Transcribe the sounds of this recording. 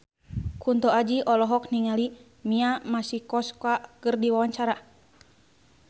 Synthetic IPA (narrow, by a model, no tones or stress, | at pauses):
kunt̪ɔad͡ʒiʔɔlɔɦɔk̚niŋali | miamasihkɔskakɨrdiwawaɲt͡ʃaɾa